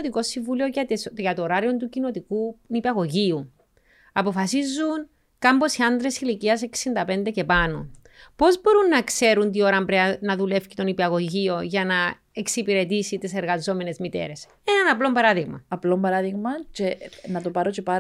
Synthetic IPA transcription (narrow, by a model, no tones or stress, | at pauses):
t̪iko̞sːiɱvulioʝɐt̪oɾɐɾio̞nt̪ucino̞t̪ikunipɐɣo̞ʝiu | ɐpo̞fɐsizːun | kɐmbo̞siɐnd̪ɾe̞siliciɐseksind̪ɐpe̞nd̪ece̞pɐno̰ | po̞zbo̞ɾunːɐkse̞ɾunt̪̬io̞ɾɐmbɾeɐnɐðule̞fci̥t̪o̞nipɐɣo̞ʝio̞ʝɐnɐ | e̞ksipiɾe̞t̪isit̪ese̞ɾɣɐzo̞me̞ne̞zmit̪e̞̰ɾe̞s | enɐnɐplo̞mbɐɾɐðiɣmɐ̰ɐplombɐɾɐðiɣmɐt͡ʃenɐt̪opɐɾot͡ʃepɐ